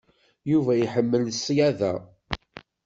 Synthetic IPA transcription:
juvæjħəmːəlsːjæðæ̰

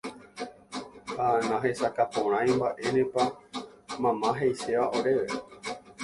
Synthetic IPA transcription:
hanãɦe̞sakapõɾ̃ãj̃mbaʔe̞nẽpa | mãmãɦejse̞ʋao̞ɾe̞ʋe

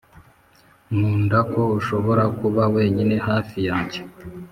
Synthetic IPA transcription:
muːndako̞uʃo̞βo̞ɾakuβawe̞ːɲine̞haːfijaːɲɟe

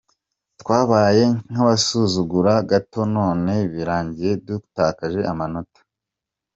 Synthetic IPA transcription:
twaːβaːje̞ŋ̥aβasuzuɡuɾaɡato̞no̞ːne̞βiɾaːɲɟije̞bdutaːkaʒe̞ʔamano̞tḁ

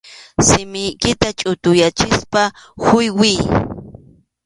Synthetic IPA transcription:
sɪmɪjkɪt̪at͡ʃʼʊt̪ʊjat͡ʃɪspa | xʊjwij

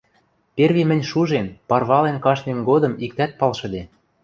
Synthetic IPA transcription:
perβemɘ̆nʲʃuʒenpɑrβɑlenkɑʃmenɡod̪ɤ̆mik̚t̪æt̪̚pɑlʃɤ̆d̪e

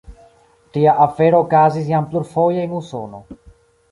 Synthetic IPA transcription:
tiaʔafe̞ɾoːkazis̬jampluɾfo̞jeenuso̞̰no̞̰

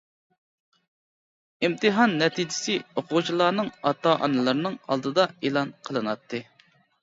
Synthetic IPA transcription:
imt̪ʰɨɦɑnːɛt̪ʰid͡ʒɪ̥sɪoqʰʊt͡ʃʰilˠɑːnɨŋɑt̪ːɑʔɑ̰nɨlˠɨɾnɨŋɑ̰lˠd̪ɨd̪ɑelˠɑnqʰəlˠɨnɑt̪ʰːɨ

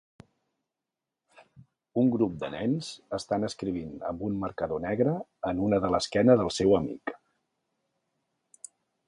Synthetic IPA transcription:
uŋɡɾup̚d̪ənɛnz̥əst̪anəskɾiβ̞inə̰mbunməɾkəðonɛɣɾəənunəðələskɛnəðəlˠsɛwəmḭk

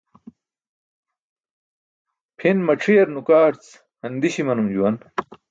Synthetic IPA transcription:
pʰinmɐʈ͡ʂʰijɐɾnukaːɾt͡s | ɐnd̪iɕimɐnumd͡ʑuwɐn

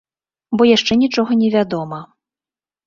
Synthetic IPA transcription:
bɔjaʂt͡ʂɛnʲit͡ʂɔɣɐnʲɛvʲad̪ɔmɐ

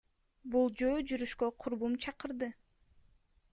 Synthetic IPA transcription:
bulˠd͡ʒøːd͡ʒyɾyʃkøqʰuɾbumt͡ʃʰɑqɯɾd̪ɯ

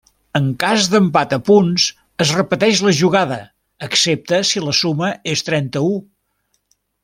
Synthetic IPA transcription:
əŋkazðəmpat̪əpunz | əzrəpət̪ɛʃləʒuɣ̞aðəː | ksep̚t̪əsiləsuməest̪ɾɛnt̪əu

